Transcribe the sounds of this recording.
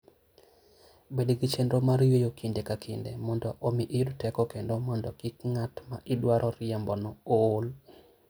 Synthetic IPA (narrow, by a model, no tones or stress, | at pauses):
bedɡit͡ʃendɾomaɾjejokʰindekakʰindemɔndɔʔːmiʔiudtɛkɔkendomɔndɔkikŋatmaʔɪdwaɾʔɔɾɪɛmbɔnɔol